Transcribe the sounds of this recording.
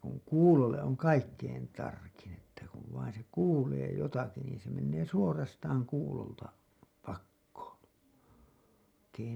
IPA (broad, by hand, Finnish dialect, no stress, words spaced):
kuŋ kuːlolːeʔ ʔoŋ kɑikːein tɑrkin etːæ kuʋ ʋɑin se kuːleː jotɑki niːn se menːeː suorɑstɑːŋ kuːloltɑ pɑkːoːn̞ ʋɑikː